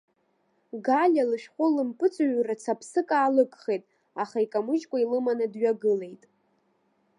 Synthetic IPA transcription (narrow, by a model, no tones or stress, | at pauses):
ɡalʲalɨʃᶣχʷʊlɨmpʼɨt͡sʼaɥrat͡sʰapʰsɨkʼaːlɨkʼχejtʼ | aχaikʼamɨt͡ʃʼkʷʼailɨmanɨdɥaɡɨle̞jtʼ